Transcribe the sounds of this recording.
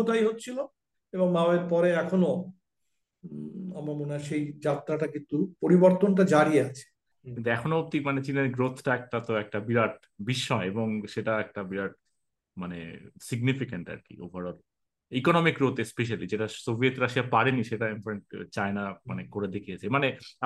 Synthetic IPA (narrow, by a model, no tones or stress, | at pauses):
od̪ajɦot̪ːt͡ɕʰilo | eboŋmaoeɾpɔɾeɛkʰono | amaɾmoneaʃejd͡ʑat̪ːɾaʈakint̪upoɾiboɾt̪onʈ̬ad͡ʑaɾieat͡ɕʰe̥ | k̪int̪ɛkʰonoop̚t̪imanet͡ɕineɾɡɾot̪ʰʈaɛk̚ʈat̪oɛk̚ʈabiɾaʈ̚ | biʃːɔeeboŋʃeʈaɛk̚ʈabiɾaʈ̚ | manḛsiɡnifikaɳʈa̰ɾkḭo̰bʱaɾɔɾ | ikɔnɔmikɾot̪espeʃ̬alid͡ʑeʈasobʱiet̪ɾaʃiapaɾeniʃeʈaimpɾeɳʈ̚t͡ɕaenamanekoɾed̪ekʰijet͡ɕʰemane